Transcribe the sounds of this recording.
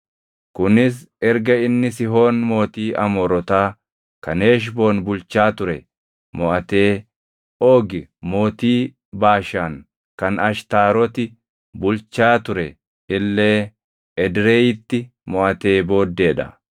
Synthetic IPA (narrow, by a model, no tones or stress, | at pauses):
kʊnɪs̬ɛɾɡɐɪnːɪsɪɦo̞ːnmo̞ːt̪iːʔɐmɔɾɔt̪aː | kɐne̞ːʃ̬bo̞ːnbʊlt͡ʃːaːt̪ʊɾɛ | mɔʔɐt̪e̞ː | o̞ːɡɪmo̞ːt̪iː | baːʃaːŋ | kɐnɐʃt̪aːɾɔt̪ɪ | bʊlt͡ʃːaːt̪ʊɾɛ | ɪlːe̞ː | ɛd̪ɾe̞ːjɪt̪ːɪ | mɔʔɐt̪e̞ːbo̞ːd̪ːe̞ːᶑɐ̰